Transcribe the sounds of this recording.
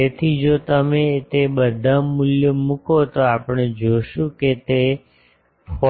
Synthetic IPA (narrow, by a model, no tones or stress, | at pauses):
et̪ʰid͡ʒot̪əmet̪eɓəd̪ʱamuljəmũkot̪oapəɽ̃ed͡ʒoʃũket̪e | fɔ